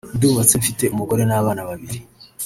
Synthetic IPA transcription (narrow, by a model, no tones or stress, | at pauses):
duːβat͡seɱfite̞umuɡo̞ɾe̞naβaːnaβaβiɾi